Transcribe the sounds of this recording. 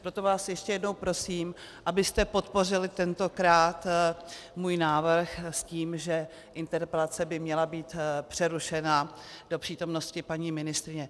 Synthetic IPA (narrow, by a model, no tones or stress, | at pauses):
pɾo̞t̪o̞vaːsjɛʃcɛjɛdnowpɾo̞siːm | ʔabɪst̪ɛpo̞t̪po̞r̝ɪlɪt̪ɛnt̪o̞kɾaːt̪ | muːjnaːvr̩xsciːmʒɛ | ʔɪnt̪ɛɾpɛlat͡sɛbɪmɲɛlabiːt̪pr̝̥ɛɾuʃɛna | d̥o̞pr̥iːt̪o̞mno̞scɪpaɲiːmɪnɪst̪ɾɪɲɛ